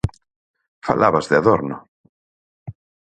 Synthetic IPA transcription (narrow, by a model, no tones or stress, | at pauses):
fa̰lʔa̰βazðeaðoɾno